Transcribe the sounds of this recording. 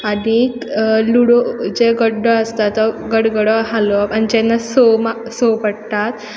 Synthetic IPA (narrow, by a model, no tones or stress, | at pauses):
adikluɽod͡ʑeɡəɖːɔəst̪at̪ːɔɡəɽɡəɽɔɦalɔpanid͡ʑenːasomasopəɽt̪at̪